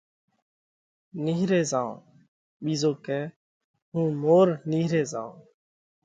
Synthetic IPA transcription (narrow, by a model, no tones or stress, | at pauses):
niːɦɾeːzãːõ̰ː | ɓiːzoːkɛː | ɦũːmoːɾniːɦɾeːzãːõ̰ː